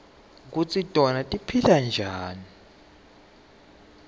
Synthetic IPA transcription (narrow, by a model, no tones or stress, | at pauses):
k̬ut͡sʰitʼɔnatʼipʰiland͡ʒʱaːni